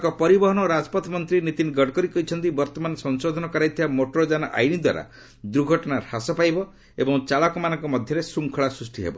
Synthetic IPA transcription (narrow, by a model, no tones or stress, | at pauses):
kɔpɔɾibɔɦɔnɔɾad͡ʒɔ̥pɔt̪mɔnt̪ɾinit̪inɡɔɽkɔɾikɔɦit͡ʃʰɔnt̪̬ibɔɾt̪ɔmansɔnsod̪ʱɔnɔkɔɾajt̪ʰibamoʈɔɾɔd͡ʒanɔʔa̰jnid̪wa̰ɾa̰ | d̪ɾuɡʱɔʈɔnahasɔpajbɔ | ebɔŋt͡ʃaɭakɔmanɔŋkɔmɔd̪ʱjɔɾesuŋkʰɔɭasɾusʈʰiɦḛbɔ̰